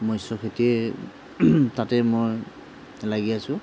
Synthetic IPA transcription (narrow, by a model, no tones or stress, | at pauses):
mɔjsɔkʰetiɛ | tatɛmoj | laɡiasʊ̃